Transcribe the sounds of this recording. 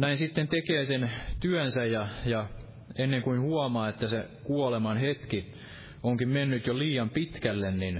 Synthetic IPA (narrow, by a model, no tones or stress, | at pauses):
næinsit̪ːent̪ekeːsent̪yænsæjjɑjɑ | enːeŋkuinhuɑmɑːet̪ːæsekuɑlemɑnhet̪ki | oŋkimmenːyt̪joliːjɑmpit̪kælːennin